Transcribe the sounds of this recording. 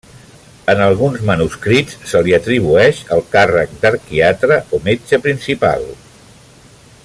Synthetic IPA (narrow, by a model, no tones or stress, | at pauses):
ənəlˠɣ̞unzmənuskɾitsːəliət̪ɾiβ̞uɛʃəlˠkarək̚d̪əɾkiat̪ɾəomet͡ʃəpɾinsipa̰lˠ